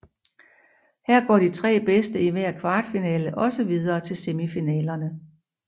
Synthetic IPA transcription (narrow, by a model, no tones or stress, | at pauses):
hæɐ̰ɡ̥ɒ̰ːd̥it͡sʰʁɛ̰ːb̥esd̥əiʋeɐkʰʋɑ̈ːd̥finɛːləʔɒ̽səʋið̞ˠɐːt͡sʰe̝lse̝mifinɛ̰ːlɐnə